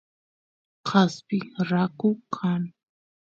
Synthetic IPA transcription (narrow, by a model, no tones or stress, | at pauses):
qʰaspɪɾakʊkʰan